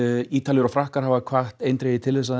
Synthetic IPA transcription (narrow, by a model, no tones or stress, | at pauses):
iːt̪aljʏɾɔfɾahkaɾ̥ɦavakʰvaht̪ejnt̪ɾejðɪt̪ʰɪlves̬a